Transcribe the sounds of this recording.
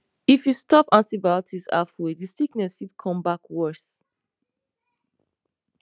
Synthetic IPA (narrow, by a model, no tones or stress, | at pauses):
ifjustɔpãntibaɔtʰisa̰fwedisiknɛsfidkʰɔ̃mbakwɛs